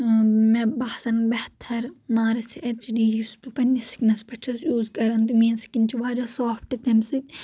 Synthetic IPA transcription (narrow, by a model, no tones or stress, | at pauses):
mebɐhsɐnbɐht̪ʰːɐɾmaːɾɐsiʔɐt͡ʃidiːjust̪upɐnʲːisi̥knɐspɐt͡ʃʰɐsjuːzkɐɾɐnt̪ɨmiːnsi̥kint͡ʃʰiʋaːɾɐsoːpʰʈɨt̪ɐmsit̪ʲ